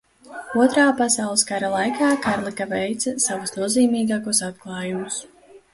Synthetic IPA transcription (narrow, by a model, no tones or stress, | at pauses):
uɔt̪ɾaːpasawlˠɨskaɾalˠajkʰaːkaɾlˠikavɛjt̪sɐsavusnuɔziːmiːɡaːkusat̪klˠɑːjumus